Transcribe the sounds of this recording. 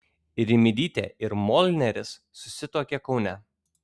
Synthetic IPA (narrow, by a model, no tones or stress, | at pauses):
ɾʲɪmʲɪd̪ʲiːt̪ʲḛːɪɾmɔlʲnʲɛɾʲɪsːʊsʲɪt̪oːkʲɛkɒʊnʲɛ